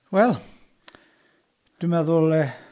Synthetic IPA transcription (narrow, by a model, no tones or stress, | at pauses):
wɛl | t̪ymæðolːe